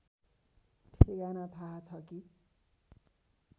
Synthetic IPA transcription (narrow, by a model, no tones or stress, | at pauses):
ʈʰeɡanat̪ʰaɦt͡sʰʌki